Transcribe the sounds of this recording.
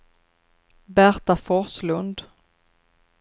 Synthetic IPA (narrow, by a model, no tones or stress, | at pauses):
bæɾt̪afɔɾslɵnd̪